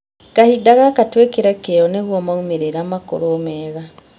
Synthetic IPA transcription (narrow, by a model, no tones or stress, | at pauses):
kahidaɣakatwekeɾakeɔneɣwɔmaumeɾeɾaːmako̰ɾomɛːɣa